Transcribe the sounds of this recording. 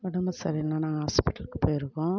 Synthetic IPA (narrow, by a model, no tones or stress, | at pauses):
ʋɐɽɐmɐsɐɾiɛnːɐnãːŋɡɐɦaːspɪʈːɐlkːɯ̥pːoːjɪɾɯkːõː